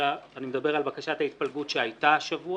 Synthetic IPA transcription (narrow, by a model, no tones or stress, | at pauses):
aːnimed̪abe̞ʁalbakaʃat̪hait̪̚palɡutʃeajtaʃavu